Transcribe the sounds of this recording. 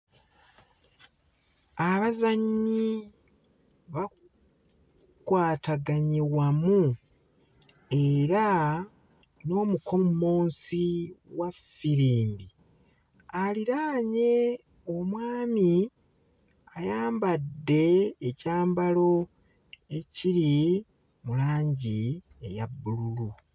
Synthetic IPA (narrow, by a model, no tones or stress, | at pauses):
aβazaɲi | βa | kwaːtaɡaɲewamu | e̞ɾa | no̞ːmuko̞moːnsiwafiɾiːmbi | aliɾaːɲe̞ | omwaːmi | ajaːmbadːe̞ːcaːmbalo̞ | e̞ciɾi | mulaːɲɟi | ḛjabːululu